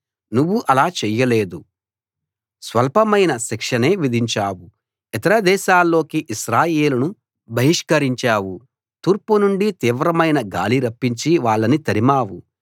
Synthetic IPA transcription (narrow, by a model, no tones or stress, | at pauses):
nuʋːuʔɐlaːt͡ʃɛːjɐleːd̪u | sʋɐlpɐmɐjnɐʃikʂɐne̞ːʋid̪ʱiɲt͡ʃaːwu | ɛt̪ɐɾɐd̪ɛːʃaːlːo̞ːkiʔiʃɾaːjeːlɐnu | bʱɐɦiʂkɐɾiɲt͡ʃaːwu | t̪uːɾpunuɳɖit̪iːʋɾɐmɐjnɐɡa̰ːliɾɐpːiɲt͡ʃiʋaːɭːɐnit̪ɐɾimaːwṵ